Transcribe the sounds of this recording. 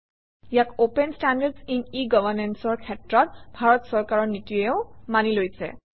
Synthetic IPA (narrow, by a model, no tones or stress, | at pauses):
jakopenstandaɹdsiniɡɔbʱaɹnɛnsɔɹkʰɛtɹɔt̚bʱaɹɔtsɔɹkaɹɔɹnitiɛʊmanilojsɛ̰